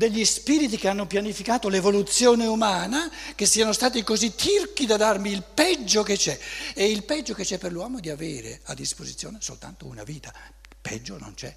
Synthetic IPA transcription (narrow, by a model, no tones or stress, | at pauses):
d̪eʎːispiːɾit̪̬ikeanːopjanifikaːt̪olevolut̪sjoːneumaːnak̟esːiːanost̪aːt̪ikozit̪ʰːirkid̪ad̪armiːlpɛd͡ʒːoket͡ʃːɛeilpɛd͡ʒːoket͡ʃːɛpːerlwɔːmod̪iaveːɾḛa̰d̪ːispozit̪sjoːneso̰lt̪a̰nt̪ouna̰viːt̪a | pɛ̰d͡ʒːono̰nt͡ʃɛ̰